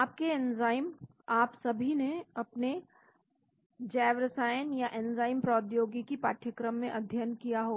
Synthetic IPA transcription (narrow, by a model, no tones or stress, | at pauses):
aːp̚keɛnzaːɪm | aːpsɐbʱineɐpne | d͡ʒɛːʋɾəsaːjənjaʔɛnzaːɪmpɾɔːd̪joːɡikipaːʈʰjəkɾəmːẽʔɐd̪ʱjənkijaɦoː